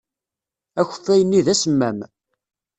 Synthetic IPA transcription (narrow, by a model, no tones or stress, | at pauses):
æçə̥θːæjənːiðæsəmːæm